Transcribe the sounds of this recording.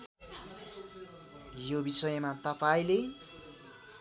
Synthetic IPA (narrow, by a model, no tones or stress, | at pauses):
jobisʌjʌmat̪ʌpaĩle